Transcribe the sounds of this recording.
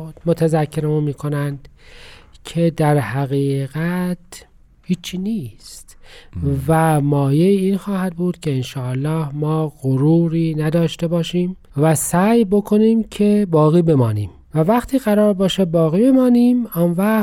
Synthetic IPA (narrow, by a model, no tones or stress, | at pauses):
mot̪ʰæzækʰːeɾemunmiːkʰo̞nænd̪̥ | cʰe̞d̪æɾhæɣiːɣæt̪ | hiːt͡ʃʰːiːniːst̪ | væmɒːjeiːnxɒːhæd̪̚buːd̪̥cʰe̞enʃɒːlːɒːhmɒːɣoɾuːɾiːnæd̪ɒːʃt̪e̞bɒːʃiːm | væsæːjbo̞kʰoniːmcʰe̞bɒːɣiːbe̞mɒːniːm | vævæxt̪ʰiːɣæɾɒːɾbɒːʃebɒːɣiːbe̞mɒːniːmɒːnvæ